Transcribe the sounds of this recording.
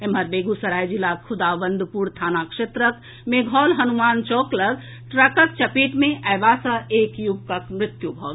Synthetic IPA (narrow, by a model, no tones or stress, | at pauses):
eməɾbeɡusəɾajd͡ʒilakʰud̪abənd̪ʱpuɾt̪ʰanakʂet̪ɾək | meɡʱɔlɦənumant͡ʃɔkləɡ | ʈɾəkək̚t͡ʃəpiʈmeʔəjbasə̃ekjuɡkəkmɾɪt̪jubʱɔt̪